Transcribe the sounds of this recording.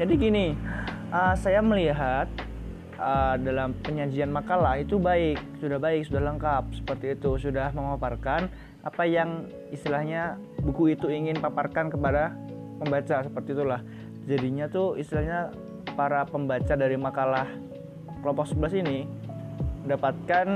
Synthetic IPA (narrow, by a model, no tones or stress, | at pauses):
d͡ʒadiɡini | əsajaməliɦat̪̚ | ədalampəɲad͡ʒianmakalahit̪ubaɪk̚sudahbaɪk̚sudahləŋkap̚sə̥pərt̪iːt̪usudahməŋaparkan | ʔa̰pajaŋ | ist̪ilahɲa | bukuit̪uiŋɪnpaparkankəpada | pəmbat͡ʃasəpərt̪iːt̪ulah | d͡ʒadiɲat̪uḭst̪ilahɲa | paɾapəmbat͡ʃadaɾimakalah | kəlɔmpɔksəbəlasini | dapat̪̚kan